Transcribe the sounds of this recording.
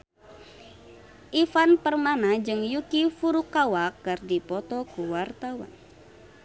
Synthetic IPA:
ʔifanpərmanad͡ʒɨŋjukifuɾukːawakːɨrdipɔt̪ɔkuwart̪awa̰n

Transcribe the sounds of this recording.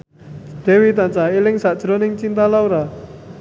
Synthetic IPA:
d̪̥e̤wit̪ant͡ʃailɪŋsad̥ʒ̥ɾɔnɪŋt͡ʃint̪alauɾa

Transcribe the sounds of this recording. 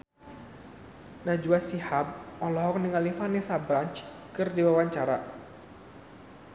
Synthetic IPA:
nad͡ʒuasihab̚ɔlɔɦɔk̚niŋalifanesabɾant͡ʃ | kɨrdiwawaɲt͡ʃaɾa

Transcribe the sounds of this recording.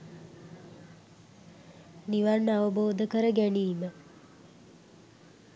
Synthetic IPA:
niʋanːaʋəboːd̪əkəɾəɡæniːmə

